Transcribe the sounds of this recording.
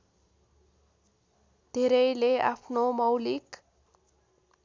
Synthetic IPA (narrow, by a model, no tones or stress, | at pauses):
d̪ʱeɾʌjleapʰnomʌwlik